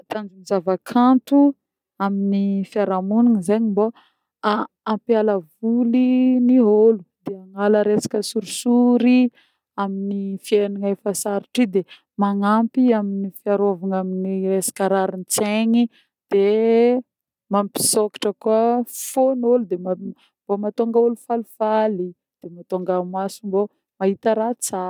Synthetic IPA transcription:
t̪and͡zumizavakʰant̪u | aminifiaɾamuniŋizeɲimbo | aː | mpjaləvuliniɦolud̪eaŋaləɾesḁkʲəsuɾisuɾi | aminifieniŋefəsaɾiʈ͡ʂid̪e | maŋampiaminifiaɾovaŋaminiesḁkaɾaɾint͡seɲi | d̪̥e | mampi̥soki̥ʈ͡ʂəkuəfonolud̪ema | mbomat̪oŋɡəolufalufali | d̪̥emat̪oŋɡamasumbo | maɦit̪aɾat͡sa

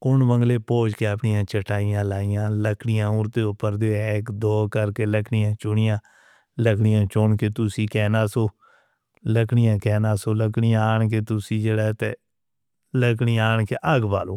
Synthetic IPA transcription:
ʊɳbəŋɡleːpoːd͡ʒkeːəpɳɪjãːt͡ʃəʈaːijãːlaːijãːləkʰɽɪjãːʊɾt̪eːʊpːəɾd̪eɛɪkd̪ɔːkəɾkeːləkʰɳɪjãːt͡ʃʊɳɪjãː | ləkʰɳɪjãːt͡ʃoɳkeːt̪ʊsiːkɛːnaːsoː | ləkʰɳɪjãːkɛːnãːsoːləkɽɪjãːaːɳk̬eːt̪ʊsiːd͡ʒeːɽɛːt̪ḛː | ləkɳijaːɳkeːʔəɡba̰ːloː

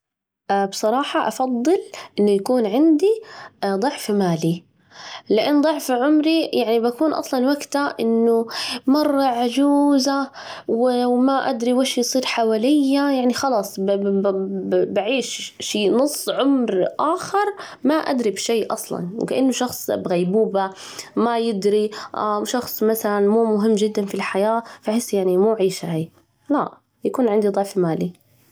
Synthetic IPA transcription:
ʔbsˤɑɾˤɑːħɑʔafɑd̪ˤːɨlʔɪnːʊjakuːnʕɪnd̪id̪ˤʊʕfmaːli | lɪʔanːd̪ˤʊʕfʕʊmɾijaʕnibakuːnʔɑ̰sˤlɑnwaɡt̪aʔɪnːʊmɑrˤːɑʕad͡ʒuːza | wɪwmaʔa̰d̪ɾiwaʃjsˤiːɾħawaːlɪjːajaʕnixɑlɑːsˤ | baʕiːʃʃiːnʊsˤːʕʊmɾʔaːxɪɾˤ | maʔa̰d̪ɾibʃejːʔɑsˤlɑ̰nw̰kaʔɪnːʊʃɑxsˤbɣajbuːba | majɪd̪ɾiʔaʃɑxsˤmaθalanmuːmʊɦɪmːd͡ʒɪd̪ːanfilħajaːfaħɪsːjaʕnimuːʕiːʃahaj | laʔ | jakuːnʕɪnd̪id̪ˤɑʕfmaːli

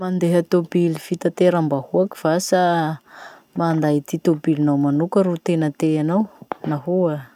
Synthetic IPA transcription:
mand̪eɦat̪obilifit̪at̪eɾambahuaki̥v̥asa | mand̪ait̪it̪obilinawmanukəɾut̪enət̪eanawnaɦua

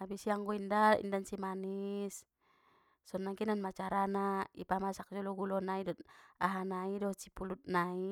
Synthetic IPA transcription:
abisiaŋɡɔindaḭndansimanis | sɔnːaŋkinanmat͡ʃaɾanaipamasak̚d͡ʒɔlɔɡulɔnaidɔt̪̚aɦanaidɔt͡ʃipulut̪̚nai

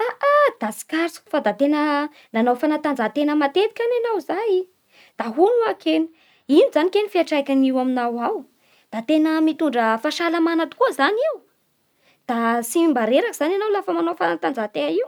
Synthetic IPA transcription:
aʔad̪̥asi̥kaɾsku̥fad̪at̪enə | nanawfanat̪and͡zat̪enəmat̪et̪i̥kʲananawzaji | d̪̥aɦunuakʰeni̥ | inizanikenifiaʈ͡ʂakʲaniwaminawaw | d̪̥at̪enəmit̪uɳɖ͡ʐəfaʃalamanat̪u̥kuəzaniw | d̪̥asimbaɾeɾakiz̥ananawlafəmanawfanat̪and͡zat̪eaiw

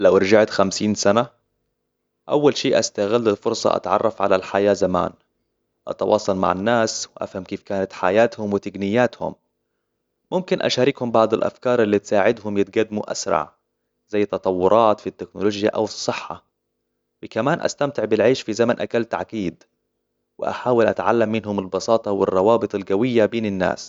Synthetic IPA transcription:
lawʔɑɾd͡ʒaʕt̪xamsiːnsana | ʔawːalʃiːʔast̪aɣɪlːɪlfʊɾsˤɑ̰ʔa̰t̪ʕɑ̰rˤːɑfʕa̰lalħajaːzama̰ːn | ʔɑ̰t̪ɑwʔɑ̰ːsˤɑlma̰ʕanːaːswɪʔa̰fhamkeːfkaːnat̪ħa̰jaːt̪hʊmwɪt̪ɪɡnɪjːaːt̪hʊ̰mː | ʊmkɪnʔa̰ʃaːɾɪkhʊmbɑʕd̪ˤɪlʔa̰fkɑːɾˤʔɪlːiːt̪saːʕɪd̪ɦʊmjɪt̪ɡad̪ːmuʔa̰sɾˤɑ̰ʕ | zajːt̪ːɑt̪ˤɑwːʊɾˤɑːt̪fit̪ːɪknʊloːd͡ʒja̰ʔa̰wsˤːɨħːa̰ | wɪkamaːnʔa̰st̪amt̪ɪʕbɪlʕeːʃfizamanʔakalːt̪a̰ʕkiːd̪ | wɪ̰ʔa̰ħaːwɪlʔa̰t̪ʕa̰lːamːɪnɦʊmɪlbɑsɑːt̪ˤɑwɪ̰rˤːɑwɑːbɨt̪ˤɪlɡawɪjːabeːnɪnːa̰ːs

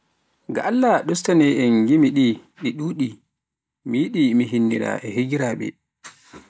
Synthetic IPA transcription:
ɡa̰alːaɗɔstanɛɛŋɡimiɗiɗiɗuːɗi | miɗimiɦinːḭɾa̰ʔɛheɡiɾaːɓɛ̰

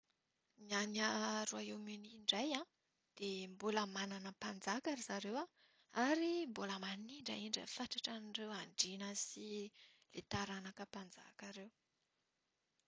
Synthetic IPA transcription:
mianaɾuaewmuniɳɖ͡ʐajã | d̪̥embuləmananəpand͡zakaɾizaɾewa | aɾimbuləmaniɳɖ͡ʐa̰iɳɖ͡ʐə̰faʈ͡ʂaʈ͡ʂanirewaɳɖ͡ʐinəsilet̪aɾanakəpand͡za̰kaɾew

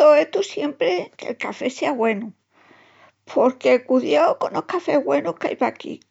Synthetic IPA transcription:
oet̪usje̞mpɾeke̞̰lkafe̞seaɣwe̞nu | pʰo̞ɾke̞kuðjoko̞nohkafe̞ɦɣwe̞nuhka̰jpakḭ

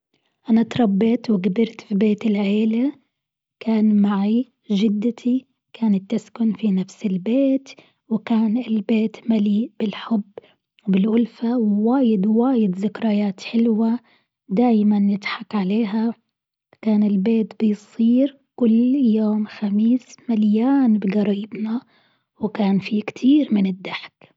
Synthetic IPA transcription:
ʔanat̪ɾˤɑbːɪt̪wɪɡabɪɾt̪fibeːt̪ɪlʕeːla | kʰaːnmaʕi | ʒɪd̪ːɪt̪ʰi | kʰaːnat̪ːɪskʊnfinafsɪlbeːt̪ | wɪkaːnɪlbeːt̪maliːʔb̥ɪlħʊbː | wbɪlʔʊlfawwaːjɪd̪waːjɪd̪zɪkɾˤajaːt̪ħɪlwa | d̪aːjmanjɪt̪ħakʕaleːɦa | kaːnɪlbeːt̪bɪjsˤiːɾ | kʊlːjoːmxamiːsmaljaːnbɪɡɑɾˤiːbna | wɪkaːnfikt̪ʰiːɾmɪnɪd̪ːaħk

